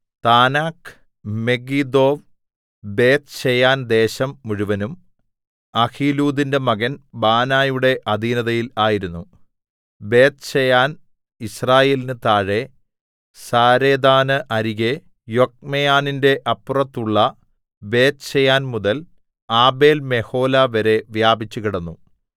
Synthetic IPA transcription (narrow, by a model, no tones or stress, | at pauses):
t̪aːnaːk | me̞ɡid̪o̞ːʋ | be̞ːt̪̚t͡ɕejaːnd̪e̞ːɕɐmːuɻuʋɐnum | ɐhʰiːluːd̪inde̞mɐɣɐnbaːnaːjuɽe̞ʔɐd̪ʱiːnɐðɐjilaːjiɾunːu | be̞ːt̪t͡ɕejaːn | israːje̞ːlinɨt̪aːɻe̞ | saːɾeːd̪aːnɨʔɐɾiɣe̞ | jo̞k̚mejaːninde̞ʔɐpːurɐt̪ːuɭːɐ | be̞ːt̪t͡ɕejaːnmuðɐl | aːbe̞ːlme̞ho̞ːlaʋɐɾe̞ʋjaːbit͡ɕːukiɽɐnːu